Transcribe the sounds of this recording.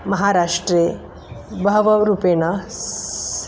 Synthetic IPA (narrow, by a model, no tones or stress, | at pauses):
mɐɦaːɾaːʂʈɾe | bʱɐʋɐɾupeːnɐ